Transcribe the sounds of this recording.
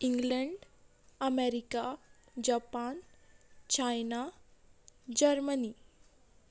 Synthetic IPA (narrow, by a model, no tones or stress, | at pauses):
iŋɡləɳɖ | əmeɾika | d͡ʑapant͡ɕajna | d͡ʑəɾməni